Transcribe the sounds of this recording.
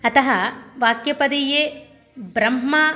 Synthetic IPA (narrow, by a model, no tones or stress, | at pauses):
ɐt̪ɐɦɐʋaːkjɐpɐd̪ijeː | bɾɐmːɐː